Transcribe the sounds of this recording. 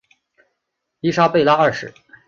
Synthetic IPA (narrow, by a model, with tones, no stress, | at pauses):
i˥ʂa˥pe˥˧ɪla˥ɐ˥˩ʂɻ̩˧˥˦